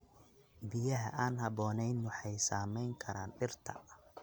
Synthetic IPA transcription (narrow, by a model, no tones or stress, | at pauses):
bɪjɐɦɐ̰ʔaːnɦɐbɔːnɛjnʊħɑjsaːmɛjŋkʰɐɾaːnɖɪrt̪ʰɐ̰